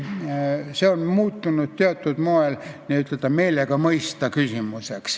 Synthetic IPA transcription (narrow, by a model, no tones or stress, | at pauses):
seonmuːt̪ːunut̪t̪eɑt̪ːˑud̪̥moelniyt̪let̪ːˑɑmelekɑmɤist̪ɑkysimuseks